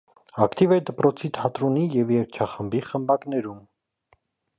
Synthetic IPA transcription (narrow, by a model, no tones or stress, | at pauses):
ɑkt̪ivɛd̪əpɾɔt͡sʰit̪ʰɑt̪ɾɔnijɛvjɛɾkt͡ʃʰɑχəmbiχəmbɑknɛɾum